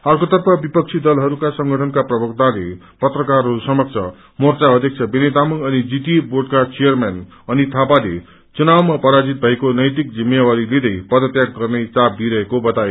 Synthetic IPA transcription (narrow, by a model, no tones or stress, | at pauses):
ʌrkot̪ʌrpʰʌbipʌk̚t͡sʰid̪ʌlɦʌɾukasʌŋɡʱʌʈʰʌnkaprʌbʱʌk̚t̪ale | pʌt̪rʌkarusʌmʌk̚t͡sʰʌ | mort͡saʌd̪ʱjʌk̚t͡sʰʌbenet̪amunʌnid͡ziʈiborɖkat͡sijʌrman | ʌnit̪ʰapalḛ | t͡sunawmapʌɾad͡zit̪̚bʱʌekonʌjt̪ik̚d͡zimːjewaɾiled̪ʌjpʌd̪ʌt̪jakɡʌrnet͡sab̚biɾʌɦekobʌt̪ae